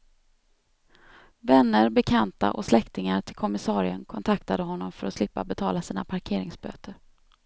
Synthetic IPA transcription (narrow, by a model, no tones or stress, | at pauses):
vɛnːəɾbɛkʰant̪a̰ʔɔslɛkt̪ɪŋaɾʈʰɪlkʰɔmɪsɑːɾɪənkʰɔnt̪ʰakt̪ad̪əɦɔnːɔmfœɾɔslɪpːa̰bɛt̪ʰɑːlasiːnapʰaɾkʰeːɾɪŋsbø̰ːt̪ʰəɾ